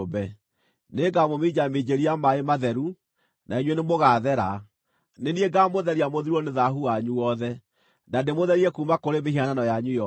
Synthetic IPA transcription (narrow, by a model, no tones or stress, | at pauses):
bɛ | neɡamomid͡ʑamed͡ʑeɾiamaemaðɛɾu | naiɲwenemoɣaðɛɾa | nenieɡamoðɛɾiamoðiɾoneðaɦuaɲuwɔðɛ | nademoðɛɾiɛkumakoɾemehiananɔjaɲujɔ